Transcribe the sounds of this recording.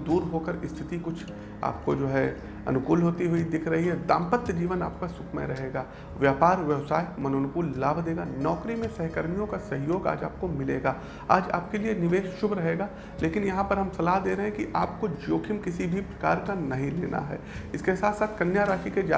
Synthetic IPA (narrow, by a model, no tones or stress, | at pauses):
d̪uːɾɦoːkəɾɪst̪ʰɪt̪ikʊt͡ʃʰ | a̰ːp̚kod͡ʒoːɦɛ | ɐ̰nʊkuːlɦoːt̪iɦʊid̪ɪkʰɾɐɦiɦɛd̪a̰ːmpət̪ːd͡ʒiːʋəna̰ːpkasʊkʰmḛ̃ɾɐɦeːɡaː | ʋjaːpaːɾʋjɛʋsaːɪkmɐnoːnʊpuːllaːbʱd̪eːɡanɔːkɾimẽsɛɦkəɾmijõkasɐɦjoːɡa̰ːd͡ʒa̰ːp̚komɪlḛːɡaː | a̰ːd͡ʒa̰ːp̚kelienɪʋeːʃʃʊbʱɾɐɦeːɡaː | leːkɪnjɐɦãpɐɾɦɐmsɐlaːɦd̪eːɾɐɦɛ̃kiʔaːpkod͡ʒoːkʰɪmkɪsibʱipɾɐka̰ːɾkanɐɦĩlḛːnʔa̰ɦɛ̰ːɪskesaːt̪ʰsaːt̪ʰkɐnjaːɾaːʃiked͡ʒa̰ː